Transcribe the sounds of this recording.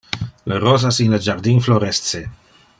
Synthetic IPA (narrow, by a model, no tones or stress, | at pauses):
lərɔzasinləd͡ʒaɾd̪infloɾɛst̪se